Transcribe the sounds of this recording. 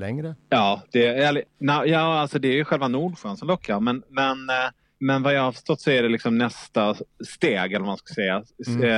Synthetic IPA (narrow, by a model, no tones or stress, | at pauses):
lɛŋɾəjɑːd̪̥ɛæːlɪnɛjɑːalsɔd̪ɛːɾjɵɧɛlvanuːɖɧœːnsɔmnlɔkʰːaɾmɛnmɛn | mɛnvajɑhafœ̥ʂtɔt̪ːsɔæɖɛlɪksɔmnɛst̪ast̪eːɡɛlːɾmanskasɛjːa